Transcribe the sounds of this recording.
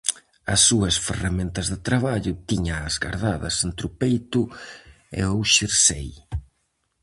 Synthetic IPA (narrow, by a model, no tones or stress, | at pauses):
ɐsːuɐsferamẽnt̪ɐzðet̪ɾaβaʎʊt̪iɲɐːzɣa̰ɾðaðɐ̰sent̪ɾʊpejt̪ʊ | ḛowʃiɾsḛj